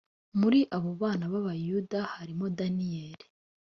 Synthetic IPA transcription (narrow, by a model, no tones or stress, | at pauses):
muɾiʔaβo̞βaːnaβaβajudahaɾimo̞danijeːɾi̥